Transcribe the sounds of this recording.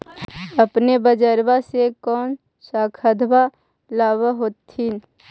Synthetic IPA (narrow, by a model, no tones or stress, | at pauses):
ɐpnebəd͡ʒəɾbasekɔːn | saːkʰəd̪ʱba | laːβəɦoːt̪ʰːin